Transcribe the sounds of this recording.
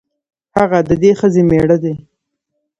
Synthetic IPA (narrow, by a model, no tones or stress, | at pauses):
haɣad̪əd̪exəzemeɽəd̪e